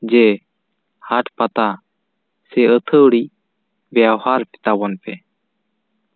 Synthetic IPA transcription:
d͡ʒɛ | haʈʰpat̪a | sɛət̪ʰəɽi | bjawhaɾpɛ̥t̪abɔnpɛ

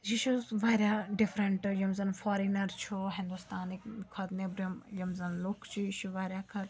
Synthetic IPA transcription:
d͡ʒiʃuzʋaːɾʲjaːɖɪfɾɐɳʈjɐmzɐnfɔːɾinɐɾt͡ʃʰoɦɪ̃nd̪ust̪aːnikkʰɐd̪nebɾɐmjɐmzɐnlukʰt͡ʃʰiiʃuʋaːɾʲjakʰɐɾ

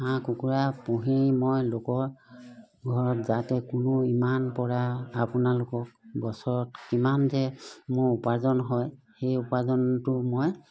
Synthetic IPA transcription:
hãkukuɹapuɦimojlokɔɹ | ɡʱɔɹɔtzatɛkʊnʊimanpɔɹaːpʊnalokɔk̚bɔsɔɹɔtkimanzɛmʊɹupazɔnɦɔj | xejupazɔntʊmoj

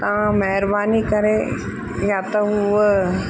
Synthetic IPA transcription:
t̪ɐãmɐɦɪɾbaːnikɐɾe | jaːt̪ɐɦu

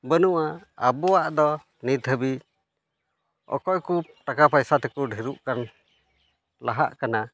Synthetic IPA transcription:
bənuʔaa̰bɔwaʔd̪ɔ | nit̪əbi | ɔ̰kɔjkuʈakapajsat̪ɛkuɖʱiɾuʔkan | laɦa̰ʔkana

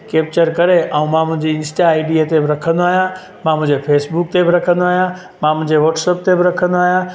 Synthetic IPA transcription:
keːp̚t͡ɕəɾkɐɾeaũmãmʊ̃ɦɪ̃ɲd͡ʑeɪ̃nsʈaːɪɖiat̪ebɪɾɐkʰə̃nd̪oaːɦijã | mãmʊ̃ɦɪ̃ɲd͡ʑepʰeːsbuk̚t̪ebɪɾɐkʰə̃nd̪oaːɦijã | mãmʊ̃ɪ̃ɲd͡ʑeʋɔːʈsəp̚t̪ebɪɾɐkʰə̃nd̪oaːɦijã

